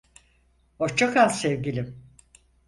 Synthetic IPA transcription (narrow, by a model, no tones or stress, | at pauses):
ot͡ʃakʰalˠsɛvɡilʲim